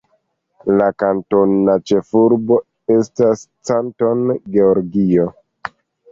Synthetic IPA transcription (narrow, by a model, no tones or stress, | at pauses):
lakanto̞nat͡ʃe̞fuɾbo̞ | e̞stas | t͡santo̞nɡe̞oɾɡio̞